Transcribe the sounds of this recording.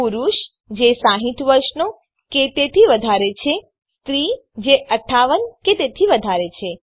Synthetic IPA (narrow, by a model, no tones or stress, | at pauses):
uɾuʃ | d͡ʒesãɦit̪ʋəɾʃno | ket̪et̪ʰiʋəd̪ʱaɾet͡ʃʰe | st̪ɾi | d͡ʒeʔəʈʰːaʋənket̪et̪ʰiʋəd̪ʱaɾet͡ʃʰe